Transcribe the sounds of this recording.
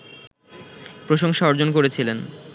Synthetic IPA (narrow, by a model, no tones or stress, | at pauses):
pɾoʃoŋʃaɔɾd͡ʑonk̬oɾet͡ɕʰilen